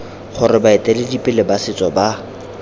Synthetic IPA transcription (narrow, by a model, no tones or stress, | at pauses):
χʊɾɪbaɪtʼɛlɪdipʼɪlɪbasɪt͡sʼɔba